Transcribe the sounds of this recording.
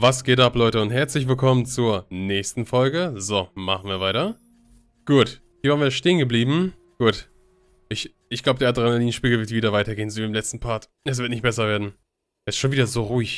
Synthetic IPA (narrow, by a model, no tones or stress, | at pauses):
vasɡ̥eːtʔaplɔʏtəʊntɦɛɐt͡slɪç̬v̥ɪlkʰɔmənt͡suːɐnɛːçstn̩fɔlɡəzoːmaχn̩viːɐvaɪtɐ | ɡ̥uːt | hiːɐvaːnviːɐʃteːənɡəbliːbm̩ | ɡ̥uːt | ʔɪç | ʔɪçɡ̥laʊbədeːadʁanaliːnʃpiːɡl̩vɪɐtv̥iːdɐvaɪtɐɡeːənzoiɪmlɛt͡stn̩pʰaɐt | ɛs̬v̥ɪɐtnɪçtb̥ɛsɐveːɐdn̩ | ɛstʃoːnviːdɐzoːʁuːɪç